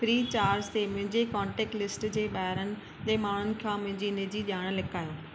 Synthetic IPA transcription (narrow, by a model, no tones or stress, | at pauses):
fɾiːt͡ɕaːɾd͡ʑt̪emʊ̃ɦɪ̃ɲd͡ʑekãːɳʈeːk̚ʈlɪsʈd͡ʑeːɓaːɦɪɾənɪ̆ | d͡ʑeːmaːɳ̤ʊnɪ̆kʰãːmʊ̃ɦɪ̃ɲd͡ʑiːnɪd͡ʑiːʄaːɽ̃lɪkaːjoː